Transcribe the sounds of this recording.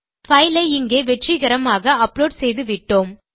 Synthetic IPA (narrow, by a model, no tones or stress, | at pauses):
fɐɪlɐɪɪŋɡeːʋɛʈriɣɐɾɐmaːɣɐɐploːɖsɛjðɯʋɪʈːoːm